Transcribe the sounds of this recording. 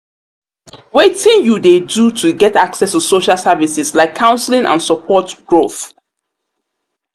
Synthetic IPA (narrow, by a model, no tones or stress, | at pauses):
wetɪ̃njudedutʰuɡɛtaksɛstusoʃalˠsavisɪslaɪkʰːãʊ̃nslĩŋʔã̰nsəpʰɔtɡ̥ɹoθ